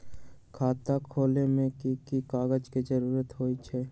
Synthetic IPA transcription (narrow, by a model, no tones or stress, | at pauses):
kʰaːt̪akʰoːlemẽkikikaːɡəd͡ʒked͡ʒəɾuːɾət̪ɦoːit͡ʃʰɛː